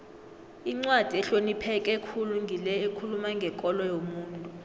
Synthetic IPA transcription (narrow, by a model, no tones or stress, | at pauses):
iŋ͡ǀwad̥ʱiɛɬonipʰɛkʼɛkʰuluŋɡʱilɛekʰulumaŋɡʱɛkʼɔlɔjomuːntʼu